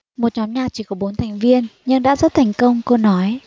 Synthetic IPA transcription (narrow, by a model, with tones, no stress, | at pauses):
mo˨˩t̚ɲɔ˨˦nɲaː˨˩t͡ɕi˧˩kɔ˨˦ɓo˨˦nt̪ʰa˨˩ŋ̟vi˧ənɲɨ˧ŋɗa̰ː˧˥zə˦˥t̚t̪ʰɛ˨˧˩jŋ̟kə˧wŋ͡mko˧nɔ˨˦j